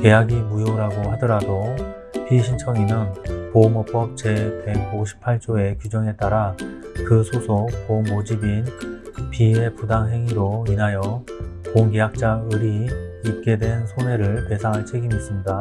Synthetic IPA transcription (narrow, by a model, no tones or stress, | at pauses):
ke̞jaɡimujoɾaɡohadʌɾado | piɕʰint͡ɕʰʌŋinɯnpomʌp͈ʌp̚t͡ɕe̞pe̞ɡoɕʰi̥pʰːaɭt͡ɕ͈oe̞kud͡ʑʌŋe̞t͈aɾakɯsʰosʰopomːod͡ʑibinpie̞pudaŋɦe̞ŋiɾoinajʌkoŋkejak̚t͡ɕ͈aɯɾiːp̚k͈e̞dwe̞nsʰone̞ɾɯɭte̞sʰaŋɦaɭt͡ɕʰe̞ɡimis͈ɯmɲida